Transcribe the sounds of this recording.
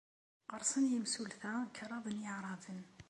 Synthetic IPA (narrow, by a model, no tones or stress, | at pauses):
qɑɾˤsˤənjəmsulθækʰəɾˤɑbənjəʕɾˤɑdən